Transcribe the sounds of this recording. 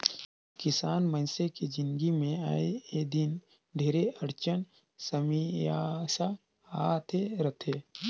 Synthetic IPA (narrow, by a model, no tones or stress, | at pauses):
kɪsaːnmənsekid͡ʒɪnɡimẽaːeed̪ɪn | ɖʱeːɾeʔəɾt͡ʃən | səmiasa | aːt̪ʰeɾət̪ʰeː